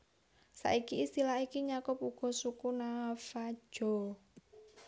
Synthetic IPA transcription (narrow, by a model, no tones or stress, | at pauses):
sa̰ʔikiːst̪ilaikiɲakʊpuɡ̥ɔ̤sukunafḁʒ̥ɔ̤